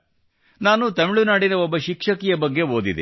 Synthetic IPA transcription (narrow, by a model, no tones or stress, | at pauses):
naːnut̪ɐmiɭunaːɽinɐɔbːɐʃikʂɐkijɐbɐɡːe̞ɦoːd̪id̪e